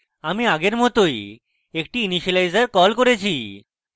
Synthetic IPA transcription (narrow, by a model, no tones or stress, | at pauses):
amiaɡeɾmɔt̪oj | ek̚ʈiːniɕəlajd͡zəɾkɔlkɔɾet͡ɕʰi